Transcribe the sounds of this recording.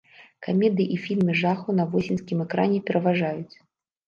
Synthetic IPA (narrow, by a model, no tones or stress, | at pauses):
kamʲɛd̪ɨiʔifʲilʲmɨʐaxunɐvɔsʲinʲskʲimɛkɾanʲɛpʲɛɾʔɐvaʐajut͡sʲ